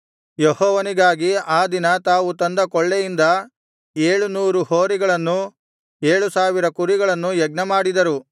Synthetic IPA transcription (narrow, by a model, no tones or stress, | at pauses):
jehɔːʋɐniɡaːɡiaːd̪inɐt̪aːʋut̪ɐnd̪ɐkɔɭːejind̪ɐ | eːɭunuːɾuhoːɾiɡɐɭɐnːu | e̞ːɭusaːʋiɾɐkuɾiɡɐɭɐnːujɛɡ̚nɐmaːɽid̪ɐɾu